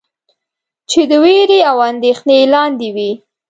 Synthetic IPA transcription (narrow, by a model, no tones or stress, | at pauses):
t͡ʃed̪əweɾeawand̪exnelɑnd̪ewi